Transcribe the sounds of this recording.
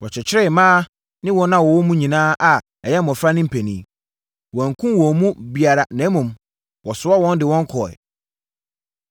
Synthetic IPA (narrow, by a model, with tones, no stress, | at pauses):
wɔ˨t͡ɕʰɛ˨t͡ɕʰɪ˦ɾɛ˦˨mãː˦ | nɪ̃˦wɔ˦nã˦wɔ˨wɔ˦mũ˦ɲĩ˨nãː˦ʔa˨ | ɛ˨jɛ˦m˦˨ɔ̃˨fɾa˦nɪ̃˦m̩˨pʰɛ˨nĩː˨ | wɔ̃˨ŋkʰũ˦wɔ˨mũ˦bi˨a˨ɾa˨nɛ̃˨˦mũ˨m | wɔ˨sʊ˨˦a˦wɔ̃˦n˦dɪ˨wɔ̃˦ŋ˦kʰɔ˨ɛ̰˨